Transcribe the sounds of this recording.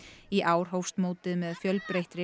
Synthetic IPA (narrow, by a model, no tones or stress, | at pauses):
iʔaːwɾ̥ɦowfst̪moːwt̪ɪðmɛðfjœlpɾejht̪ɾɪ